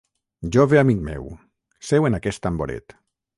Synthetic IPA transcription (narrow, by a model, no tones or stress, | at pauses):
ʒɔβeamikmɛ̰w | sɛwenakɛst̪amboɾḛt̪